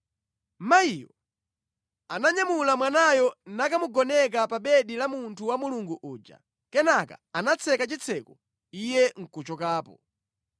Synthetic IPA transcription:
maijɔ | anaɲamulamwanajɔnakamuɡɔnɛk̬apaɓɛɗilamuntʰuwamuluŋɡuʔuːd͡ʒa̰ | kɛnaka̰anat͡sʰɛkat͡ʃit͡sʰɛkɔ | ijɛŋ̩kut͡ʃɔkaːpɔ̰

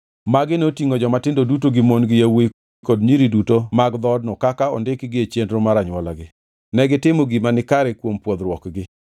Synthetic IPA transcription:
maɡɪnotiŋod͡ʒɔmatɪndodutoɡɪmonɡɪjawe | kɔdɲiɾidutomaɡd̪ɔdnɔkakaɔndɪkɡɪet͡ʃendɾomaɾaɲwalaɡɪ | nɛɡɪtɪmoɡɪmanɪkaɾɛkwompwod̪ɾwɔkɡɪ

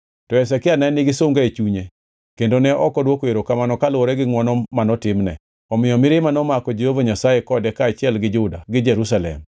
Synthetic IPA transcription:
tɔɛsɛkɪanɛnɪɡɪsomŋɡaet͡ʃuɲe | kendonɛʔɔkɔdwokoeɾokamanɔkalwoɾɛɡɪŋwɔnɔmanɔtɪmnɛ̰ | ɔmɪjɔmɪɾɪmanɔmakɔd͡ʒehovoɲasajekɔdɛkaːt͡ʃɪɛlɡɪd͡ʒʊda̰ɡɪd͡ʒɛɾus̬alɛ̰m

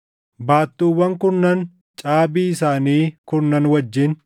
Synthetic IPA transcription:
baːt̪ːuːwːɐŋkʊnːɐn | t͡ʃʼaːbiːɪsaːniːkʊɾnːɐnwɐd͡ʒːɪn

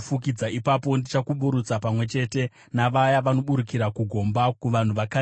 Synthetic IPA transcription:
fukid͡zaipapo̞ndit͡ʃakuɓuɾut͡sapamwe̞t͡ʃe̞te̞ | naʋajaʋano̞ɓuɾukiɾakuɡʱo̞mbakuʋan̤uʋaka

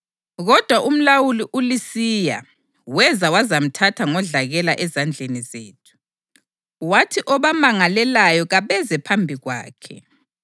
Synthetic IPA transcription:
ɣɔd̥ʱwaʔum̩lawuliʔulisija̰ | wɛzawazam̩tʰatʰaŋɔɮaɣɛlaʔɛzand͡ɮʱenizeːtʰu̥ | watʰiʔɔβamaŋalɛlajɔɣaβɛzɛpʰambʱiɣwa̰ːkʰɛ̰

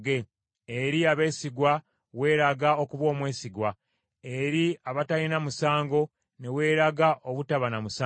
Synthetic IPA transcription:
ɡe | eɾiaβe̞ːsiɡwa | we̞ːɾaɡao̞kuβo̞ːmwe̞ːsiɡwa | eɾiaβatajinamusaːŋɡo̞ | ne̞we̞ːɾaɡaʔoβutaβanamusa

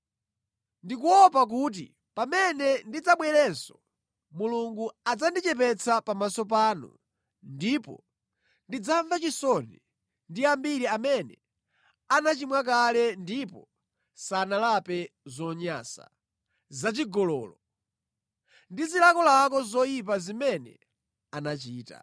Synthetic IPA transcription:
ndik̬uɔpak̬ut̬ḭ | pamɛnɛndid͡zaɓwɛɾɛnsɔ̥ | muluŋɡuad͡zandit͡ʃɛp̬ɛt͡sʰapamasɔpaːnṵ | ndipɔ̰ | ndid͡zaɱvat͡ʃisɔnɛ | ndiambiɾiamɛnɛ | anat͡ʃimwak̬alɛndipɔ | sanalapɛzɔɲa̰ːsa̰ | zat͡ʃiɡɔlɔːlɔ | ndizilakɔlak̬ɔzɔjip̬azimɛnɛ̰ | anat͡ʃiːta̰

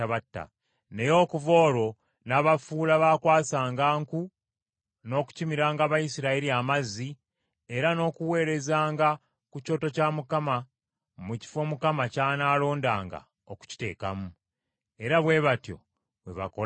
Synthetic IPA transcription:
aβatːa̰ | ne̞jo̞ːkuvo̞ːɾo̞ | naβafuːlaβaːkwaːsaːŋɡaːŋku | no̞ku̥cimiɾaːŋɡaβajisiɾaeɾiamazi | e̞ɾano̞ːkuwe̞ːɾe̞zaːŋɡa | kuco̞ːtocamukama | muci̥fo̞mukamacaːnaːlo̞ːnda̰ːŋɡa̰ | oku̥ci̥te̞̰ːka̰mu | e̞ɾaβwe̞ːβatjo̞̰ | βweβa̰ko

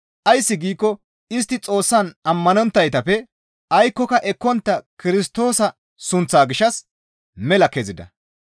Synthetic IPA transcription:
ʔɐjsːɪɡiːkːɔ | ɪs̬t̪ːɪt͡sʼo̞ːsːɐnɐmːɐnɔnt̪ːɐjt̪ɐfɛ | ʔɐjkːɔkɐʔɛkːɔnt̪ːɐkɪɾɪst̪o̞ːsɐ | sʊnt͡sːaːɡɪʃɐs | mɛlɐkːeːzɪd̪ɐ̰

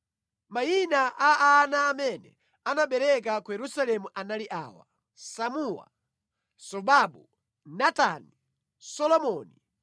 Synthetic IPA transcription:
mainaʔaanaːmɛnɛ | anaɓɛɾɛk̬akujɛɾusalɛmuʔanaliʔa̰ːwa̰ | samuwa̰ | sɔɓaɓu | natani | sɔlɔmɔni

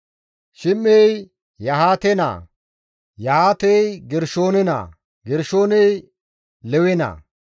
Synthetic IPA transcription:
ʃɪmːej | jɐhaːt̪ɛna̰ː | jɐhaːt̪ɛjɡɛɾʃoːnɛna̰ː | ɡɛɾʃo̞ːnɛj | lɛwɛna̰ː

